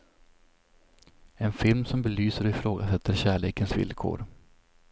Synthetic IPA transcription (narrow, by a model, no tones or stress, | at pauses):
ɛnfɪlmsɔmbɛlyːsəɾɔɪfɾoːɡasɛt̪ːəɾɕæːɭeːkənsvɪ̰lkʰo̰ːɾ